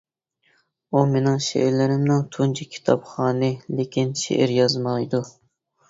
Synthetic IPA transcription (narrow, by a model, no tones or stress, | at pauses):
umenɪŋʃḛʔɪɾlɪɾɪmnɪŋt̪ʰunt͡ʃʰikʲʰi̥t̪ʰɑpχɑːnɨlekʲinʃḛʔɪɾjɑzmɑjd̪u